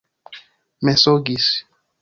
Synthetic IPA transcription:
mɛsoɡis

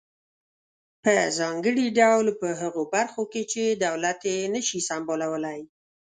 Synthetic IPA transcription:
pəzɑŋɡəɽiɖawlpəɦəɣobaɾxoket͡ʃed̪awlat̪enəʃisambolawəlaj

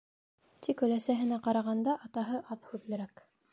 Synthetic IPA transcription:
t̪ʰikɵ̆læsæɦɘ̆næqɑɾɑʁɑnd̪ɑʔɑt̪ɑɦɤʔɑðhʉðlɘ̆ɾæk

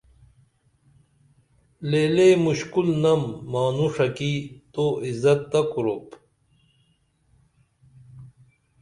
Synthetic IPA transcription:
leːlemuɕkulnɐmːaːnuʂɐkit̪oʔizɐt̪ːɐkuɾop

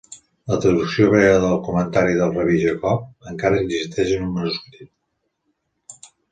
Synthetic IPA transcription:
lət̪ɾəðuksijoβɾɛəðəlˠkumənt̪aɾiðəlˠrəβiʒəkɔp̚əŋkaɾəːnzist̪ɛʒənumənuskut̪it̪̚

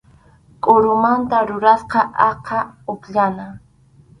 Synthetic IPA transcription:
kʼoɾʊmant̪aɾʊɾasqɑʔɑqʰɑʊpʎana

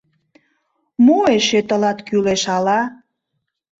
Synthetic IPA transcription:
mueʃet̪əlɑt̪kyleʃɑlɑ

